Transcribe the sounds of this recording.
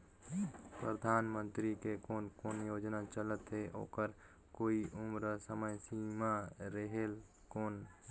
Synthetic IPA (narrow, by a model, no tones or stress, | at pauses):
pɾəd̪ʱaːnmə̃nt̪ɾikekoːnkoːnjoːd͡ʒnat͡ʃələt̪ɦeʔo̰ːkəɾ | koːiʔʊmɾəsəməjsiːmaɾeɦel | koːn